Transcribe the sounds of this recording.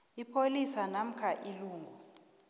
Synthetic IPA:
ipʰolisanam̩kʰaʔiluːŋʱɔ

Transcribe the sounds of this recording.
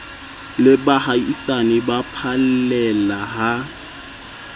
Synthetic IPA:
lɪbahaisanɪbapʰallɛlaɦa

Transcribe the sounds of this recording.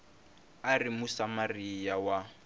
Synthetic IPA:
arimusamarijawa

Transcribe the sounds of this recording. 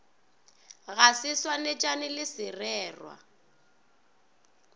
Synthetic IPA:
ɣasɪswanɪt͡ʃʼanɪlɪsɪrɛːrwa̰

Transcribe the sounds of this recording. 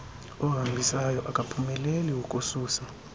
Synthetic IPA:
ɔɦambʱisajɔʔakʼapʰumɛleliwukʼusuːsa

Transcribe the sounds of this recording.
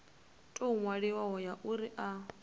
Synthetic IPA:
tʼoŋwaɺiwaɦɔjaʔuɾiʔa

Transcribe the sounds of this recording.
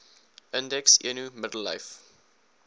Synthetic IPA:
ʔɪ̃ndɛksḭənumɪdəl̩ːa̰jf

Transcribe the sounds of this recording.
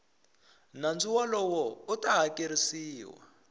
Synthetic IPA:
nand͡zuwalɔwɔutaɦakʼeɾisiːwa̰

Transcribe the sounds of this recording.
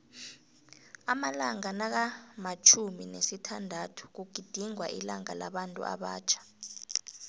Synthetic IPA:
amalaŋanak̬amat͡ʃʰuminesitʰandʱatʰu̥k̬uɡ̥ʱid̥ʱiŋwa̰ʔḭlaŋa̰laɓantʼṵʔa̰ɓaːt͡ʃʰḁ

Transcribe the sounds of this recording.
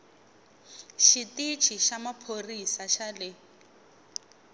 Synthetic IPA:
ʃitit͡ʃʰiʃamapʰorisaʃalɪ

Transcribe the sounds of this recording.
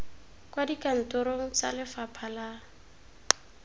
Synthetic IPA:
kwadikʼan̩tʊɾoŋ̩t͡sa̰lɪfapʰala

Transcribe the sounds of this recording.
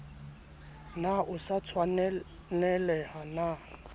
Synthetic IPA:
naʔʊsat͡sʰwan | nɛlɛhana

